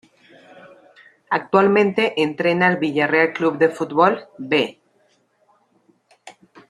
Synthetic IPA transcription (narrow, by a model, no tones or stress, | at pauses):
ak̚t̪walmẽ̞nt̪e̞ʔent̪ɾe̞naelβiʎareaklubd̪e̞fut̪βolbe